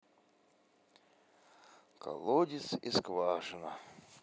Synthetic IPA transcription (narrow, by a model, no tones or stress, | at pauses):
ka̰lˠod̪ʲisiskvaːʂɨna